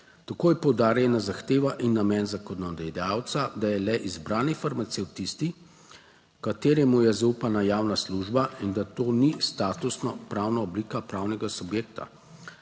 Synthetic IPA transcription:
t̪akoːjpɔwd̪aːɾjɛnazaxt̪eːʋaʔinːamɛːnzakɔnɔd̪ɛjawt̪sad̪ajɛlɛʔizbɾaːnifaɾmat̪sɛwt̪ist̪i | kat̪eːɾɛmujɛzaupanajaːwnasluʒbaind̪at̪oːnist̪aːt̪usnɔpɾaːwnaɔbliːkapɾawnɛɡasubjeːkt̪a̰

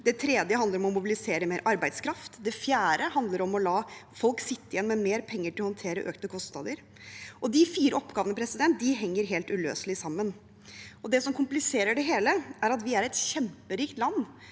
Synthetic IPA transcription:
d̪ɛt̪ʰɾɛːd̪jəhɑnd̪əɾɔmɔmʊbɪlɪseːɾəmeːɾʔɑɾbæɪd̪skʰɾɑft̪d̪ɛfjæːɾəhɑnd̪ləɾɔmɔlɑːfɔlksɪt̪ːəɪjɛnːmɛmeːɾpʰɛŋːəʈɪlɔhɔnt̪ʰeːɾəʔøːkt̪əkʰɔst̪nɑ̰ːd̪əɾ | ʔɔd̪ɪfiːɾəɔpːɡɑːʋənəpʰɾɛsɪd̪ɛnt̪̚d̪ɪɦɛŋːəɾɦeːlt̪ʉlø̰ːsəlɪsɑmːən | ɔd̪ɛsɔmkʰʊmplɪseːɾəɖɛɦeːləæɾɑt̪ʋɪæɾɛt̪çɛmpəɾiːkt̪lɑnː

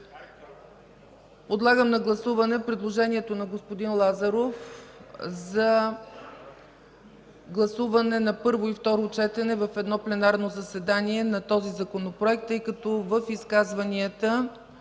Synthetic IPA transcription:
pod̪lˠaɡəmnɐɡlˠɐsuvɐnɛpɾid̪lˠoʒɛniɛt̪onɐɡospod̪inlˠazɐɾof | zɐ | ɡlˠɐsuvɐnɛnɐpɤɾvoift̪ɔɾot͡ʃɛt̪ɛnɛvɐfɛd̪nɔplɛnaɾnozɐsɛd̪aniɛnɐt̪ɔzizɐkonopɾoɛk̚t̪ːɤjkɐt̪ɔvəfiskazvɐniət̪ə

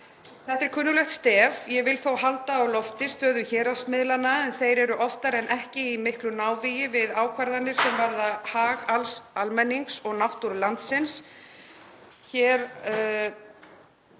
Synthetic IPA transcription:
θɛht̪ɛɾ̥kʰʏːnːʏlɛxt̪st̪ɛːvjɛɣvɪlθowɦalt̪aːwlɔft̪ɪst̪œːðʏçɛːɾasmɪðlanːaɛnθejɾɛɾʏʔɔft̪aɾɛnʔɛhcɪimɪhklʏnaːwvijɪvɪðaːwkʰvaɾðanːɪɾ̥sɛmvaɾðahaːɣalsalmɛnːiŋksɔɣnawht̪uɾlant̪sɪns | çɛːɾ

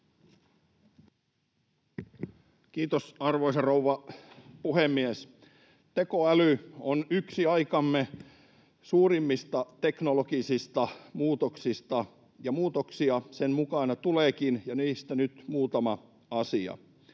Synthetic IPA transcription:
kiːt̪osɑrʋoisɑrouʋːɑpuhemːies | t̪ekoælyonyksiɑikɑmːe | suːrimːist̪ɑt̪eknolokisist̪ɑmuːt̪oksist̪ɑ | jɑmuːt̪oksiɑsenmukɑnɑt̪uleːkinjɑniːst̪ænyt̪muːt̪ɑmɑ | ɑsiɑ̰

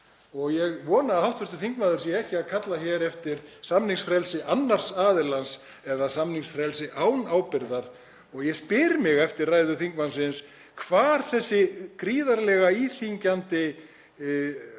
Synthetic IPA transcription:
ɔɣjɛɣvɔːnahawht̪vʏɾ̥t̪ʏθiŋkmaːðʏɾsiɛɛhcɪakʰat̪laçɛɾɛft̪ɪɾ̥samniŋsfɾɛlsɪʔanːar̥saːðɪlans | ɛðasamniŋsfɾɛlsɪʔaːwnaːwpɪɾðaɾ̥ | ɔɣjɛspɪːɾmɪɣɛft̪ɪrraːjðʏθiŋkmansɪns | kʰvaːɾ̥θɛsːɪkɾiːðaɾlɛɣaiːθiɲcant̪ɪ

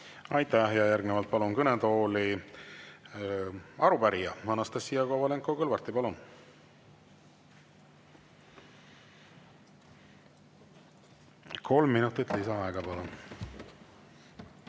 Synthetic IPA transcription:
ɑjt̪æhjɑjærɡnevɑlt̪̚pɑlunkynet̪o̞ːli | ɑɾupæɾijɑmɑnɑst̪ɑsːijɑkovɑleŋkˑokɤlvɑrt̪ːipɑlun | kʰo̞lmːinut̪ːˑit̪lisɑɑeɡ̥ɑpɑlun

